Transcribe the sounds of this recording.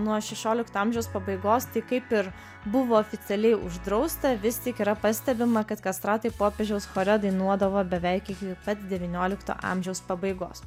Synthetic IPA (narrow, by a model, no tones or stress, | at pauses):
nuɔʃʲɛʃʲoːlʲɪkt̪oːɑmʲʒʲɛʊspɐbɐɪɡoːst̪ɐɪkɐɪpɪɾ | bʊʋoːfʲɪt̪sʲɛlʲɛɪʊ̰ʒd̪ɾɐʊst̪ɐʋʲɪst̪ʲiɛkiːɾɐpɐsʲt̪ʲɛbʲɪmɐkɐt̪kɐst̪ɾɑːt̪ɐɪpoːpʲeːʒʲɛʊsxoːɾʲɛd̪ɐɪnuɔd̪ɐʋoːbʲɛʋʲɛɪkɪkʲɪpɐt̪d̪ʲɛʋʲɪnʲoːlʲɪkt̪o̰ːʔɑ̰ːmʲʒʲɛʊspɐbɐɪɡo̰ːs